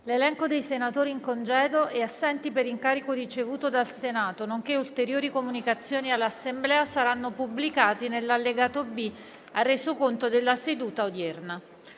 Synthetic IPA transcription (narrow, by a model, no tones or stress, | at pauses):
lelɛŋkod̪ejsenat̪oːɾiːŋkond͡ʒɛːd̪oʔeasːɛnt̪ipeɾiŋkaːɾikorit͡ʃevuːt̪od̪alsenaːt̪onoŋk̟eult̪eɾjoːɾikomunikat̪sːjoːnialːasːemblɛːasaɾanːopublikaːt̪inelːalːeɡaːt̪obi | arːeːzokont̪od̪elːased̪uːt̪aod̪jɛrna